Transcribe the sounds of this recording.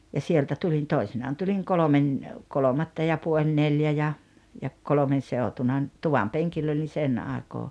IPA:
jɑ sieltæ tulin toisinɑːn tuliŋ kolomen kolomɑtːɑ jɑ puolʲ neljæ jɑ jɑ kolŏmen̞ seotunɑ n tuʋɑm peŋkilː oli sen ɑˑekoː

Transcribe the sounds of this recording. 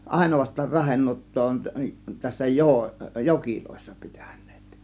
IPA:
ɑˑe̝noʋɑstˑɑːr rɑhenːuotːoː on tæsːæ joː jokiloˑe̝sːɑ̥ pi̥tæ̥n̥ˑe̥ːt

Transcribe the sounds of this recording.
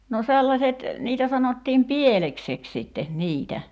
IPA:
no selːɑset niːtæ sɑnotːiːm pieleksek sitːe niːtæ

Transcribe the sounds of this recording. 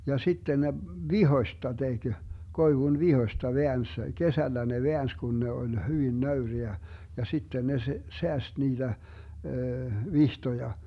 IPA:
jɑ sitːen ne ʋihoĭstɑ teɡ̊ koiʋun ʋihoĭstɑ ʋeæns kesælːæ ne ʋeæns kun ne olʲ hyʋin nøyriæ jɑ sitːen ne s seæst niːd̥æ ʋihtojɑ

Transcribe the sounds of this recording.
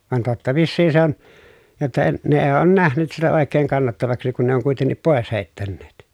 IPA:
ʋɑn totːɑ ʋiːsːiːn se on jotːɑ e ne eː oːn næhnyt sitæ oˑekˑeːŋ kɑnːɑtːɑʋɑksi kun ne oŋ kuitenːip poˑes heˑi̯tːænːeːt

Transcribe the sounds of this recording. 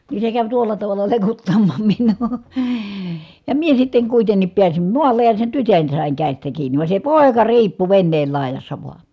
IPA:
niː se kæʋ tuolːɑ tɑʋɑlːɑ lekutːɑm̥ːɑ̥ːm̥ m̥i̥n̥ːu̥ː jɑ mie sitːeŋ kuitenːip piæsim muɑlːej jɑ sen tytøn sɑˑiŋ kæˑistæ kiːnˑi ʋɑˑe se poˑekɑ riːpːu ʋenːeːl lɑˑejɑsːɑ ʋoɑ

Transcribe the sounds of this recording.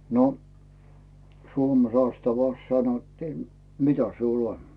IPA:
no suome sɑstɑʋɑˑs sɑnotːiː mitæ siul on

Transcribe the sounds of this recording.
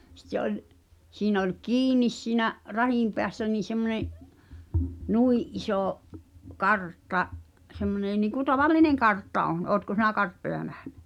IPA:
sĭtːe ʔolʲ siːnæ̆ olʲ kiːnis siːnæʔ rɑhiˑm peæsːæ niː semːŏneʔ nuiʔ ʔisoˑ kɑrtːɑ semːoneˑ niːŋku tɑʋɑlːineŋ kɑrtːɑ ʔon oːtko sinæ kɑrtːojɑ næhn̥æ̥

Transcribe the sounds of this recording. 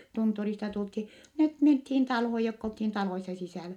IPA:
tunturistɑ tulthi net menthiːn tɑlhoj jokː olthin tɑloisːɑ sisæˑlæ

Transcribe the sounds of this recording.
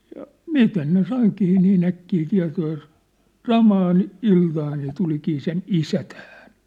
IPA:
jɑ mistæs ne sɑikiː niːn ækːiː tiɑ̝toː jɑ s sɑmɑːn iltɑːn se tulikiː sen isæ tæhæ̥n̥

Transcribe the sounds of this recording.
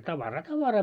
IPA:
tɑʋɑrɑː tɑʋɑrɑː

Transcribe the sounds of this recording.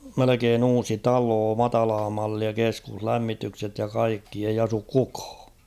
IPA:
melekeːn uːsi tɑloː mɑtɑlɑː mɑlːiɑ keskuhlæmːitykset jɑ kɑikːi ei ɑsuk kukɑ̥ː

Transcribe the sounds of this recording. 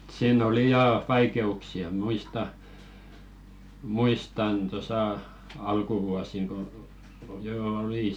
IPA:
siːn oli jɑː ʋɑikeuksiɑ muistɑ muistɑn tosɑ ɑlkuʋuɑsiŋ ko joː oli

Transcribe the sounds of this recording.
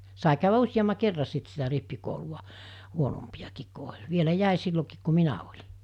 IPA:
sɑi kæˑyʋæ usʲjɑmːɑ kerːɑ sit sitæ ripːikouluw̆ɑ huonompij̆ɑkiːk ku olʲ ʋielæ jæˑi silːokiːk ku minæ olʲi̥

